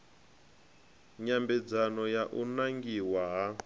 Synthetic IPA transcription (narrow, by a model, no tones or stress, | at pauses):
ɲambɛd͡zanɔjaʔunaŋɡiwaɦa